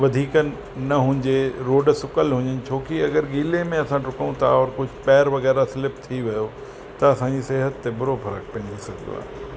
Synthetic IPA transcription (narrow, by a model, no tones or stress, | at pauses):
ʋɐd̪ʱiːkənɪ̆ | nɐɦʊ̃ɪ̃ɲd͡ʑeɾoːɖsʊkəlɦʊ̃ɲənɪ̆t͡ɕʰoːkiɐɡəɾɡiːlemẽɐsãʈʊkũt̪ʰa̰ɔːɾkʊd͡ʑʱʊpɛːɾʋɐɣɛːɾasɪlɪp̚t̪ʰiʋɐjo | t̪ɐɐsãɲd͡ʑiseːɦət̪ːebʊɾofɐɾə̰k̚pɐ̃ːnd̪isɐɡʱɪd̪o̰a̰ːɦ